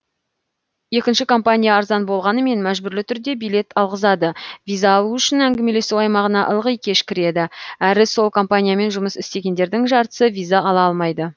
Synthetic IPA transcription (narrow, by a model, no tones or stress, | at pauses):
je̞kʲɪnʃɪkʰo̞mpanʲijaːɾzɑnbo̞lˠʁɑnəme̞nmæʒbʏɾlɪt̪ʰʏɾd̪e̞bijle̞t̪ʰɑlˠʁəzɑd̪əvijzaːlˠuʏʃɪnæŋɡʲɪme̞le̞suwɑjmɑʁənɑʔəlˠʁəjkʲʰe̞ʃkʲɪɾe̞d̪ɪæɾɪso̞lˠkʰo̞mpanʲijame̞nʒʊməsɪst̪e̞ɡʲe̞nd̪e̞ɾd̪ɪŋʒɑɾt̪ə̥səvijzaɑlˠɑɑlˠmɑjd̪ə